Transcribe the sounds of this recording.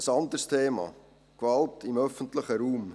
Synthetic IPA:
əsɑndərstʰeːmɑ̰ | kvɑltʰɪmœfən̩tləχəɾuːm

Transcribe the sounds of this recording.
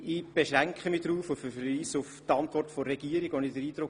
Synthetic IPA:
ɪb̥eʃʁæŋkχəmɪd̥ɾuːfʊfəiːsʊftɑntʋɔrtfɔɾɛɡ̥iəɾɪɡvɔnɪdəɾiːdɾʊk

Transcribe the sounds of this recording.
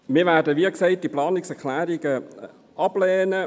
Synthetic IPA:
mɪːvæːdəʋiːksɛɪt̚d̥iplɑːnɪksɛʁklæːɾiɡə | ʔɑblɛːnə

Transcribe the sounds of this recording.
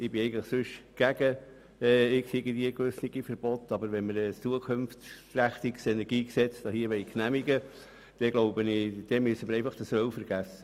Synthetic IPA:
ɪbɪɛɪɡən̩tləχsʉʃɡ̥æɡə | ɛːɪksiɡədiəkʋʏsniɡ̥ifəɾb̥ɔt̪ɑbəɾʋɛnməɾɛst͡suəkʰønfræχt̪iksɛnɛɾɡ̥iːksɛt͡sd̥̪ɑhiəʋɛɪknæmiɡə | d̥ɛɡloʊbənɪd̥ɛmysəməɾɛɪfɑχd̥əsʋœwfəɾɡ̥æsə̥

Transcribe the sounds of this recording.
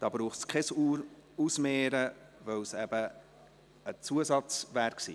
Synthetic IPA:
d̥ɑːbɾuːχtskʰɛsuusmeːɾəvœwsɛb̥ə | ət͡suəsɑt͡svæːɾksḭː

